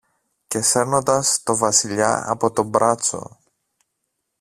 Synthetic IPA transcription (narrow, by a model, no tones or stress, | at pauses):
ce̞se̞ɾnond̪ɐst̪o̞vɐsiʎɐ̰ɐ̰po̞t̪o̞mbɾɐt͡so̞̰